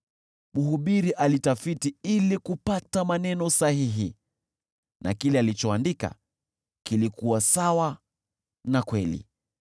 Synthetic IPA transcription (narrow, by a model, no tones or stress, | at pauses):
muhuɓiɾiʔalitafitiilikupatamanɛnɔsahiɦi | nʔa̰kilɛalit͡ʃɔandika̰ | kilikuwasawa | nakwɛlḭ